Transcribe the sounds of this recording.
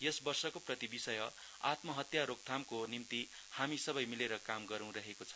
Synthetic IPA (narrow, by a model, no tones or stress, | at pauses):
jʌsbʌrsʌkoprʌt̪ibisʌjʌ | a̰t̪mʌɦʌt̪jaɾok̚t̪ʰamkonimt̪i | hamisʌbʌjmileɾʌkamɡʌɾʌ̃w̃ɾʌɦekot͡sʰʌ̥